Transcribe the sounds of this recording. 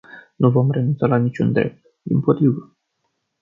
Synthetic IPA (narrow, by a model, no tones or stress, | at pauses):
nuvo̞mre̞nunt̪salanit͡ʃṵnd̪ɾe̞̰p̚t̪̚ | d̪inpo̞t̪ɾivə